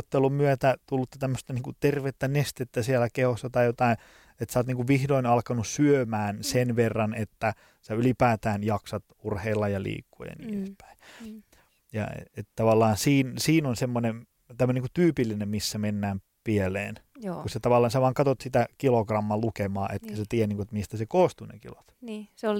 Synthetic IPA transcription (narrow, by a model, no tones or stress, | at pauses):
t̪ːelummyøt̪æt̪ulːut̪ːɑ̥t̪æmːøst̪ɑniːŋkut̪erʋet̪ːænest̪et̪ːæsielækehosːɑt̪ɑijot̪ɑin | et̪sɑːt̪niːŋkuʋʋihdoinɑlkɑnussyømæːnsenʋerːɑnet̪ːæ | sæylipæːt̪æːnjɑksɑt̪urheilːɑjɑlḭːkːo̰jɑ̰nḭːnespæ̥i | jɑ̰ḛet̪t̪ɑʋɑlːɑːnsiːnsiːnonsemːonem | t̪æmːønikut̪yːpilːinemmisːæmenːæːm | pielḛːnːuset̪ɑʋɑlːɑːnsæʋɑːŋkɑt̪ot̪sit̪ækilokrɑmːɑlukemɑːʔet̪kæset̪iæniːŋkuet̪mist̪æsekoːst̪unḛkilot̪niːseol